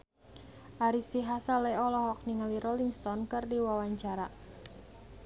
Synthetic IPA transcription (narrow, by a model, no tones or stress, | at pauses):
ʔaɾisiɦasaleɔlɔɦɔk̚niŋəliɾɔliŋst̪ɔnkɨrdiwawaɲt͡ʃaɾa